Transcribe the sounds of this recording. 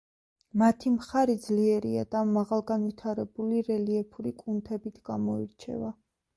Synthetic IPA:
mat̪ʰimχaɾid̪zliɛɾḭa̰d̪̥amaʁalˠɡanvit̪ʰaɾɛbuliɾɛliɛpʰuɾikʼunt̪ʰɛbit̪ʰɡ̥a̰mɔiɾt͡ʃʰɛ̰va

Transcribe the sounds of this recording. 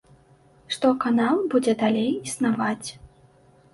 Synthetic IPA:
ʂt̪ɔkanalˠbud͡zʲɛd̪alʲejisnavat͡sʲ

